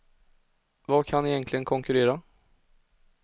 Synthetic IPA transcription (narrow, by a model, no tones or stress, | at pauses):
vɑːkʰanːɪjɛŋk̪ʰlɪɡənkʰɔŋkʉɾeːɾa